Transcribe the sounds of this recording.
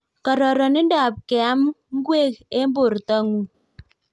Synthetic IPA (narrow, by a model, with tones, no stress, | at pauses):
kɔ˨ɾɔ˨ɾɔ˨ni˦n˦da˨p̚kɪ˨a˨˦mŋ̩˦ɡwe˦˨ke˦mbo˨ɾtɔ˦ŋu˨